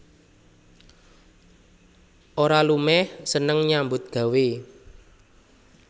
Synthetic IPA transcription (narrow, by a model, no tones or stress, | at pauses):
ʔoɾalumɛhsənəŋɲambʊt̪̚ɡ̥ä̤we